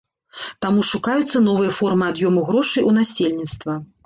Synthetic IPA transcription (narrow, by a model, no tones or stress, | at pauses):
t̪amuʂukajut̪sːɐn̪ɔvɨjɐfɔrmɨad̪jɔmuɣɾɔʂɨjʔunasʲelʲnʲit̪st̪vɐ